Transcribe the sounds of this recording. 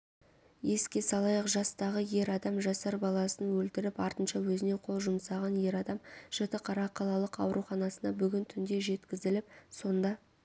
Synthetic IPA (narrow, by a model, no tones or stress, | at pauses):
je̞skʲe̞sɑlˠɑjəqʒɑst̪ɑʁəje̞ɾɑd̪ɑmʒɑsɑɾbɑlˠɑsənwɵlt̪ɪɾɪpɑɾt̪ənʃɑwɵzɪne̞qʰo̞lˠʒʊmsɑʁɑnje̞ɾɑd̪ɑmʒ̥ət̪əqʰɑɾɑqʰɑlˠɑlˠəqɑwɾʔuχɑnɑsənɑbʏɡʲɪnt̪ʰʏnd̪e̞ʒe̞t̪kʲɪzɪlɪpso̞nd̪ɑ